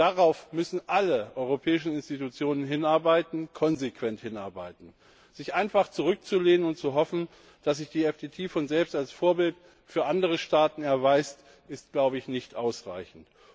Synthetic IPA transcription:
d̥aʁaʊfmʏsn̩ʔaləʔɔʏʁopʰɛːɪʃn̩ɪnstitut͡sjoːnənɦɪnaɐbaɪtn̩kʰɔnzekv̥ɛnthɪna̰ɐbaɪtn̩ | z̥ɪçʔaɪnfaχt͡suʁʏk̚t͡suleːnənʊnt̚t͡suɦɔfn̩ | d̥as̬z̥ɪçd̥iːɛfd̥eːtʰiːfɔnzɛlpstalsfoːɐbɪlt | fyːɐʔandəʁ̞əʃtaːtn̩ɛɐvaɪst | ʔɪst̚ɡ̥laʊbəɪçnɪçtʔaʊsʁa̰ɪçn̩t

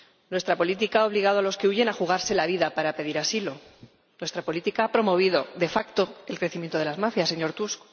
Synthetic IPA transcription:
nwe̞st̪ɾapo̞lit̪̬ikaao̞βliɣaðo̞alo̞ske̞uʝe̞naxuɣ̞aɾse̞laβ̞iðapaɾape̞ðiɾasilo̞ | nwe̞st̪ɾapo̞lit̪ikaapɾo̞mo̞β̞iðo̞ðe̞fakt̪o̞e̞lkɾe̞θimje̞nt̪o̞ðe̞lazmafjase̞ɲo̞ɾt̪usko̥

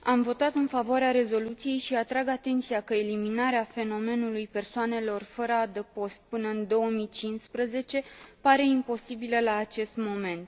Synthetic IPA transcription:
amvo̞t̪at̪ɨnfavoaɾeaɾe̞zo̞lut̪sije̞jʃiat̪ɾaɡat̪e̞nt̪sijakəeliminaɾeafe̞no̞me̞nulujpe̞rsoane̞lo̞rfəɾəad̪əpo̞st̪̚pɨnəɨnd̪o̞əmit͡ʃinspɾəze̞t͡ʃe̞paɾe̞impo̞sibiləlaːt͡ʃe̞st̪mo̞me̞nt̪

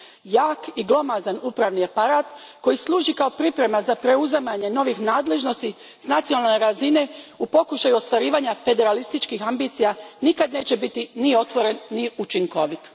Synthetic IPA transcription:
jaːkiɡlˠo̞mazanuːpɾaʋniapaɾaːt̪ko̞jislˠuːʒikaopɾipɾe̞mazapɾe̞uzamaɲe̞no̞ʋixnaːd̪le̞ʒno̞st̪i | snat̪sijonalneɾazine̞upo̞kuʃajuo̞st̪ʋaɾiːʋaːɲafe̞d̪e̞ɾalist̪it͡ʃkixambit̪sijanikad̪ne̞ːt͡ɕe̞bit̪inio̞t̪ʋo̞ɾe̞nniut͡ʃiŋko̞ʋit̪

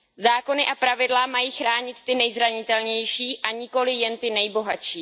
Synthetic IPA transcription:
zaːko̞nɪʔapɾavɪdlamajiːxɾaːɲɪt̪ːɪnɛjzɾaɲɪt̪ɛlɲɛjʃiːʔaɲɪko̞lɪjɛnt̪ɪnɛjbo̞ɦat͡ʃiː

